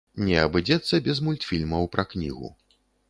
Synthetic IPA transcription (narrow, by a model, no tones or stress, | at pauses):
nʲɛɐbɨd͡zʲɛt̪sːɐbʲɛzmulʲt̪fʲilʲmɐwpɾɐknʲḭɣṵ